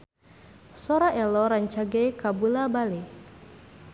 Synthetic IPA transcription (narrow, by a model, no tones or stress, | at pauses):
sɔɾaʔɛlɔɾaɲt͡ʃaɡekabulabale